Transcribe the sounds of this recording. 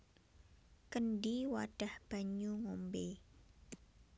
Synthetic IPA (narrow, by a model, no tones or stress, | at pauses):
kənɖiwa̰ɖ̥a̤hb̥a̤ɲuŋombe